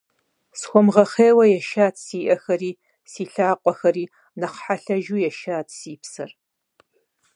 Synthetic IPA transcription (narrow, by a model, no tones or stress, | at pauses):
sxʷɔmʁɐχeːwɐjɛʃaːtʰsiːʔɐxɐɾiː | siːɬaːqʷʼɔxɐɾiː | nɐχħaɬɐʒuːjɛʃaːtʰsiːpsɐr